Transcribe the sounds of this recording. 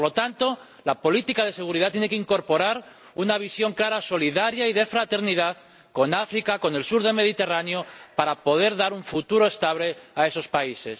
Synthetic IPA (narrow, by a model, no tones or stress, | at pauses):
olo̞t̪ant̪o̞ | lapo̞lit̪ikað̞e̞seɣ̞uɾiðat̪jenekeiŋko̞ɾpo̞ɾaɾ | unaβ̞isjo̞ŋklaɾaso̞liðaɾjaiðe̞fɾat̪e̞ɾniðað | ko̞nafɾikako̞ne̞lsuɾðe̞lme̞ð̞it̪e̞ranjopaɾapo̞ð̞e̞ɾðaɾuɱfut̪uɾo̞e̞st̪aβleae̞so̞spaise̞s